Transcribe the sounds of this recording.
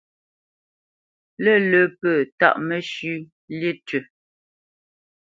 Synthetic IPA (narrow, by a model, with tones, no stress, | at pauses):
lə˦˨lə˨˦pəː˦˨ta̰˦ʔmə˨ʃʉ˦ | li˦tɥə˨